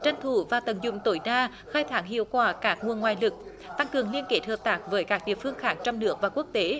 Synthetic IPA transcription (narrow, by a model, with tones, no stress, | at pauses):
t͡ɕa˧˩jŋt̪ʰu˨˧˩vaː˨˩t̪ə˨˩nzʊ̰˧˨ŋ͡mt̪o˧˩˦jɗaː˧ | xaː˧jt̪ʰaː˨˩˦ŋɦḭ˧˨əwkwaː˧˩kaː˦˥k̚ŋu˨˩ənŋwaː˨˩jlɨ˨˩k̚ | t̪a˧ŋkɨ˨˩əŋli˧ənke˨˥t̚həː˨˩p̚t̪aː˦˥k̚vəː˨˦jkaː˦˥k̚ɗḭ˧˨əfɨ˧əŋxaː˨˦ŋt͡ɕɔ˧wŋ͡mnɨ˦˥ək̚vaː˨˩ku˦˥ək̚t̪e˨˦